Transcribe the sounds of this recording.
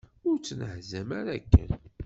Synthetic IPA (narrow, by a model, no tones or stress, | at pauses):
ʊɾt͡sːnəʕzæmaɾækːə̰n